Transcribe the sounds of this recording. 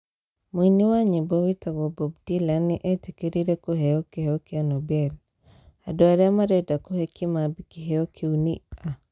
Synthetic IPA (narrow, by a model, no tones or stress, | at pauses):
mwiniwaɲibɔwitaɡɔbɔbdilaniʔɛtikiɾiɾɛkuɦɛɔkiheɔkianɔbɛl | adɔaɾɛamaɾɛdakuhɛkimabikiɦeɔkʰiunia